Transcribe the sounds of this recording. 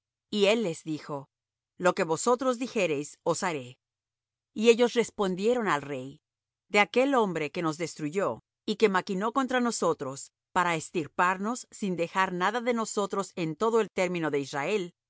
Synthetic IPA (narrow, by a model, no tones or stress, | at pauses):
ie̞lːe̞zðixo̞ | lo̞ke̞βo̞so̞t̪ɾo̞zðixe̞ɾe̞jso̞saɾe̞ | ieʝo̞sre̞spo̞nd̪je̞ɾo̞nalre̞j | d̪e̞ake̞lo̞mbɾe̞ke̞no̞zðe̞st̪ɾuʝo̞ | ike̞makino̞ko̞nt̪ɾano̞so̞t̪ɾo̞s | paɾaest̪iɾpaɾno̞sːind̪e̞xaɾnaðaðe̞no̞so̞t̪ɾo̞se̞nt̪o̞ðoe̞lt̪e̞ɾmĩno̞ðe̞israe̞l